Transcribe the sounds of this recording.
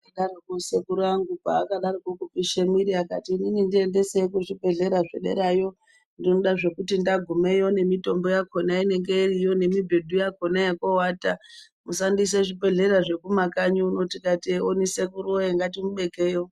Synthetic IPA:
iɗarikusekuɾuaŋɡupa̰ːkaɗarikokupiʃemiɾiakatiːninindie̞nde̞sek̬uʐibʱe̞ɮe̞ɾaʐeɗe̞̰ɾajo̞ | ndino̞ɗaʐe̞kutindaɡʱume̞jo̞ne̞mito̞mbo̞jakʰo̞naine̞ŋɡeijo̞ne̞mibʱedʱujakonajekowata | musandis̬e̞ʐipe̞ɮe̞raʐe̞kumakaɲuuno̞tikationise̞kuroeŋɡatimuɓe̞ke̞ːjo̞

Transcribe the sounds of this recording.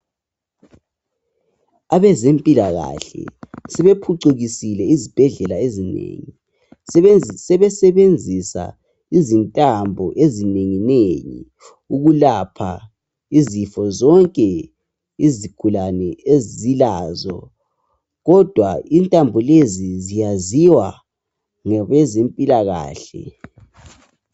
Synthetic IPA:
aβɛzempʼilaɣa̰ɬɛ̰sɛβepʰuǀuɣisilɛizib̥ʱɛɮɛlaezinḛŋi | sɛβɛsɛβend͡zʱisa̰ | izintʼambʱɔʔezineŋineŋḭ | uɣulapʰa | izifɔzɔŋkʼɛ | iziɡ̥ʱulanɛezilazɔ | ɣɔd̥ʱwaintʼambʱɔlezizijaziwa | ŋɛβɛzempʼilaɣa̰ːɬɛ̰

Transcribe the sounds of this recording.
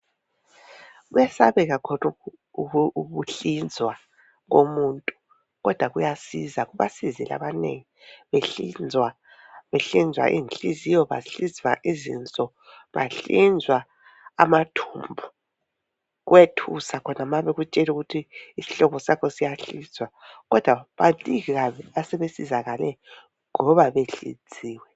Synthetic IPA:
ɣṵjasa̰βɛɣakʰɔnu | uɣuɬind͡zʱwa | ɣomuntʼu̥ | ɣɔd̥ʱwaɣujasizaɣuβasizila̰βanḛŋi | βeɬid͡zʱwa | βeɬind͡zʱwa̰ʔiːnt͡ɬʼizijɔβa̰ɬizwaʔizḭnt͡sʼɔ | βa̰ɬind͡zʱwaː | matʰumbʱɔ | ɣwetʰusakʰɔnamaβeɣut͡ʃʼɛluɣutʰiːsiɬɔβɔsakʰɔsijaɬid͡zwaɣɔd̥ʱwaβantʼiɣiɣaβɛasɛβesizaɣalɛ | ŋɔβaβeɬḭ̥d͡z̥ʱiːwɛ

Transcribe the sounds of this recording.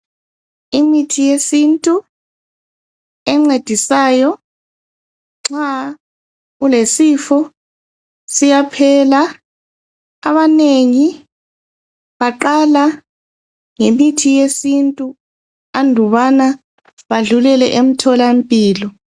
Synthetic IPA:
imitʰijesintʼu | ɛŋ͡ǀed̥ʱisaːjɔ | ŋ͡ǁa | ɣulesifɔ | sijapʰɛla | aβaneŋi | βaǃala | ŋemitʰijesintʼu | andʱuβana | βaɮulɛlɛʔem̩tʰɔlampʼiːlɔ

